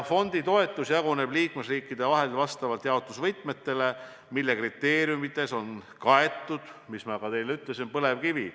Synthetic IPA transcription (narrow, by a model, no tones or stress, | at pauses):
fo̞nd̪̥it̪o̞e̞t̪ːˑusjɑɡune̞b̥liːkmesriːkːid̪e̞vɑɦe̞lvɑst̪ɑvɑlt̪jɑot̪ːˑusvɤjt̪ˑme̞t̪ːe̞le̞ | milːe̞krit̪ːˑe̞ːɾjumit̪ːˑe̞so̞nkɑe̞t̪ːˑud̪̥mismɑkɑt̪e̞jleyt̪ˑle̞sinpɤle̞vkivi